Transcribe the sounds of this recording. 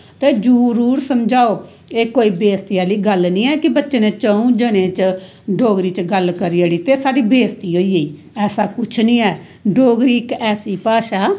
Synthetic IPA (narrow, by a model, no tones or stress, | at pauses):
t̪eːd͡ʒuːɾuːɾsəmd͡ʒaːoː | eːkoːiːbeːst̪iaːliːɡəlnĩːɛːkɪbətːʃeːneːt͡ʃəũːd͡ʒənẽːt͡ʃ | ɖoːɡɾiːt͡ʃɡəlkəɾiaːɽiːt̪eːsaːɖiːbeːst̪iːɦoːiːeːiː | ɛːsaːkʊt͡ʃʰnĩːɛː | ɖoːɡɾiːkɛːsiːpaːʃaː